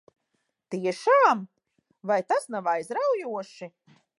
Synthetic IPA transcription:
t̪iɛʃaːm | vajt̪asnavajzɾawjuɔʃi

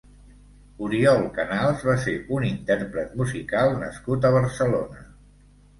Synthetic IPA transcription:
uɾiɔlˠkənalˠzβaseunint̪ɛɾpɾət̪muzikalˠnə̰skut̪əβ̞əɾsəlonə

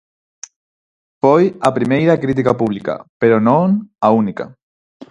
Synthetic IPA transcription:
fojapɾimejɾakɾit̪̬ikapuβ̞lika̰peɾonõŋaunika̰

